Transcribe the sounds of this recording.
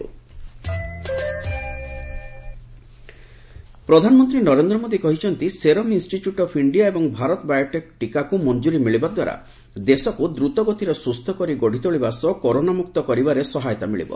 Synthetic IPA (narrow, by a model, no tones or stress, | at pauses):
pɾɔd̪ʱanɔmɔnt̪ɾinɔɾend̪ɾɔmod̪ikɔɦit͡ʃʰɔnt̪iseɾɔminsʈiʈjuʈɔpʰiɳɖijaebɔŋbʱaɾɔt̪ɔbajɔʈek̚ʈikakumɔnd͡ʒuɾimiɭibad̪wa̰ɾa̰ | d̪esɔkud̪ɾut̪ɔɡot̪iɾɔsust̪ʰɔkɔɾiɡɔɽ̤it̪ɔoɭibasɔkoɾonamukt̪ɔkɔɾibaɾesɔɦajɔt̪amiɭḭbɔ̰